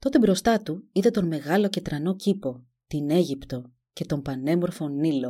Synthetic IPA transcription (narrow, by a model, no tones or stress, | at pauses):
t̪o̞t̪e̞bɾo̞st̪ɐt̪uiðet̪o̞nme̞ɣɐlo̞ce̞t̪ɾɐno̞cipo̞ | t̪ine̞ʝipt̪o̞ | ce̞t̪o̞mpɐne̞mo̞ɾfo̞nilo̞